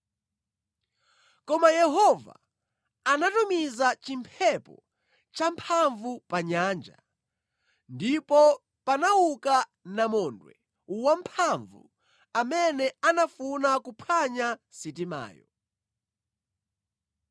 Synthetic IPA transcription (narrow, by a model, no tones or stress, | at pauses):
kɔmajɛɦɔva̰ː | natumizat͡ʃimpʰɛpɔ̰ | t͡ʃampʰaɱvupaɲaːnd͡ʒa̰ | ndipɔ | panawukanamɔndwɛ̰ | wam̩pʰaɱvṵ | amɛnɛanafunakupʰaɲasit̬ima̰ːjɔ̰